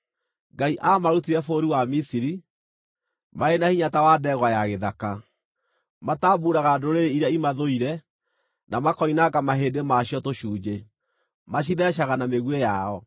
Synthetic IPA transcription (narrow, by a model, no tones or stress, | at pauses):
ŋɡaiʔamaɾutiɾɛfoɾiwamisiɾi | maenahiɲatawadɛːɣwajaɣeðaka | mataːbuɾaɣadoɾeɾeiɾjaimaðoiɾɛ | namakɔinakamaɦeːdemaɕjɔtoɕuːd͡ʒe | maɕ̬iðɛʃ̬aɣanameɣwejaɔ